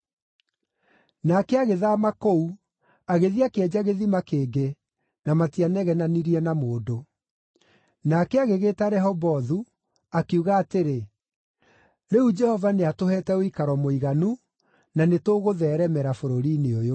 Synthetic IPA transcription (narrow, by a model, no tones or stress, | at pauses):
nakɛaɣeðamakou | aɣeðiakeɛd͡ʑaɣeðimakeːɡe | namatianɛɣɛnaniɾiɛnamoːdo | nakɛaɣeɣeːtaɾɛɦɔbɔðu | akeuɣaːteɾe | ɾeud͡ʒɛhɔvaneatohɛtɛoikaɾɔmoiɣanu | nanetoːɣoðɛːɾɛmɛɾafoɾoɾineojo